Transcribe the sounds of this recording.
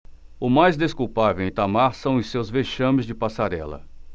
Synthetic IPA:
ʊmajzd̪eskuwpavewẽt̪amaɾsɐ̃w̃ʊsewzveʃɐ̃mɪzd͡ʒɪpasaɾɛlɐ̰

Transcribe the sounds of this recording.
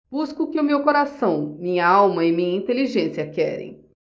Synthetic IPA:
b̥uskʊkɪʊmewkoɾasɐ̃w̃mĩɲɐawmɐɪmĩɲɐĩnt̪eliʒẽsiɐkɛɾḛ̃j̃

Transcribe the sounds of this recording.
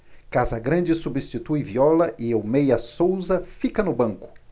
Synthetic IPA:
kazɐɡɾɐ̃nd͡ʒɪsubist͡ʃit̪ujviɔlɐʔɪowmejɐsowzɐfikɐnʊbɐ̃ŋkʊ̥

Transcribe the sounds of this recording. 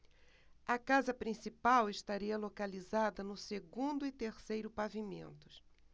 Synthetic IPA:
ɐkazɐpɾĩsipawɪʃt̪aɾiɐlokalizad̪ɐnʊseɡũnd̪ʊɪt̪eɾsejɾʊpavimḛ̃nt̪ʊ̥s

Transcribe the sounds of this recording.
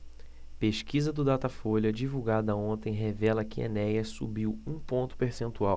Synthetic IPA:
peʃkizɐd̪ʊd̪at̪ɐfoʎɐd͡ʒivuwɡad̪ɐõnt̪ẽj̃ɦevɛlɐkɪḛnɛjɐsṵbiwũpõnt̪ʊ̥peɾsẽnt̪uaw

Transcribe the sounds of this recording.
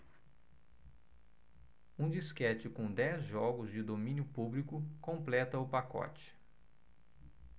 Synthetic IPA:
ũd͡ʒiskɛt͡ʃɪkõd̪ɛzʒɔɡʊzd͡ʒɪd̪omĩnjʊpublikʊkõmplɛt̪ɐʊpakɔ̰t͡ʃɪ̥

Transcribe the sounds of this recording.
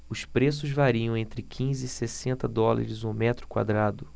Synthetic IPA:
ʊspɾes̬ʊzvaɾiɐ̃w̃ẽnt̪ɾɪkʰĩzɪːsesẽnt̪ɐd̪ɔla̰ɾɪzũmɛt̪ɾʊ̥kwa̰d̪ɾad̪ʊ

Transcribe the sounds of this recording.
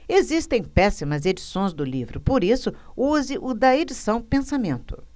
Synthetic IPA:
ezist̪ẽj̃pɛsimɐzed͡ʒisõj̃zd̪ʊlivɾʊpoɾisʊ | uzɪʔʊd̪ɐed͡ʒisɐ̃w̃pẽsamẽnt̪ʊ̥

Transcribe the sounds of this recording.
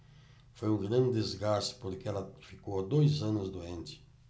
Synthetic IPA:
fojũŋɡɾɐ̃nd̪ɪdezɡasɪ̥poɾkɪɛlɐfikowad̪ojzɐnʊzd̪oẽnt̪ɪ̥

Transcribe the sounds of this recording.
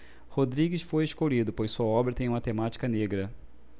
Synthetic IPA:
hod̪ɾiɡɪsfojeʃkolid̪ʊpojssuɐɔbɾɐt̪ẽj̃ũmɐt̪emat͡ʃi̥kɐneɡɾɐ

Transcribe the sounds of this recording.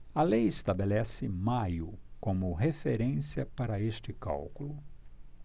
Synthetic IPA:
ɐlejest̪abelɛsɪmajʊkõmʊɦefeɾẽsiɐpaɾɐest͡ʃɪka̰wkulʊ

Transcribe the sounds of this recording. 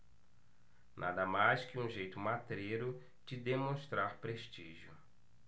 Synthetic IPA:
nʔa̰d̪ɐmajskɪũʒejt̪ʊmat̪ɾeɾʊ | t͡ʃɪd̪emõʃt̪ɾaɾpɾeʃt͡ʃiʒjʊ

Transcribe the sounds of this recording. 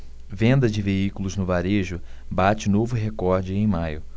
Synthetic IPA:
vẽnd̪ɐd͡ʒɪveikʊlʊznʊvaɾeʒʊbat͡ʃɪnovʊɦekɔɾd͡ʒɪẽj̃majʊ

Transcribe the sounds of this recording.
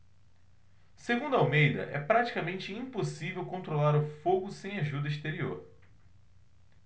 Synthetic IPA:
seɡũnd̪ʊawmejd̪ɐ̰ʔɛ̰pɾat͡ʃi̥kamẽnt͡ʃɪĩposivewkõnt̪ɾolaɾʊfoɡʊsẽj̃aʒud̪ɐiʃt̪eɾio̰ɾ

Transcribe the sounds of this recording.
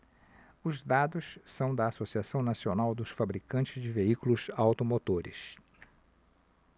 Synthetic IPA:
ʊzd̪ad̪ʊssɐ̃w̃d̪ɐːsosiasɐ̃w̃nasionawd̪ʊsfabɾikɐ̃nt͡ʃɪzd͡ʒɪveikulʊsawt̪omot̪oɾɪ̰s

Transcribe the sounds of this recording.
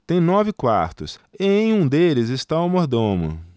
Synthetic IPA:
t̪ẽj̃nɔvɪkwa̰ɾt̪ʊ̰seẽj̃ũd̪elɪzɪst̪aɐwmoɾd̪õmʊ̰

